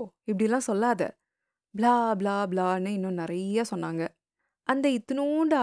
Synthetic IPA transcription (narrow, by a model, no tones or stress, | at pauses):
ɪp̬ːɐɽɪjɛlːãːsɔlːaːðɐ̰ | blaːblaːblaːnɯɪnːʊ̃nɪɾɐjaːsɔnːaːŋɡɐ | ʔɐnd̪ɐɪt̪ːɯnuɳɖɯa